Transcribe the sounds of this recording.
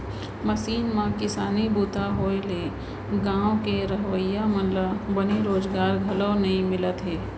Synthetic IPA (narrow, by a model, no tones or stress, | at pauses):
mɐsiːnmãkɪsaːnibuːt̪aɦoːele | ɡãːõkeɾəɦwəjaməlbɐniɾoːzɡaːɾɡʱɐləwnɐɦĩmɪlət̪ɦeː